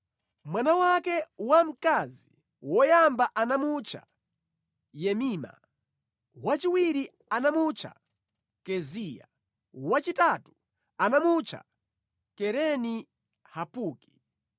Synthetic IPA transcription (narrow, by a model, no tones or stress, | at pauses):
mwanawakɛwam̩kazi | wɔjambaʔanamut͡ʃʰa̰ | jɛmiːma̰ | wat͡ʃiwiɾi | anamut͡ʃʰa̰ | kɛziːja̰ | wat͡ʃitaːtu̥ | anamut͡ʃʰa̰ | kɛɾɛni | hapuːki̥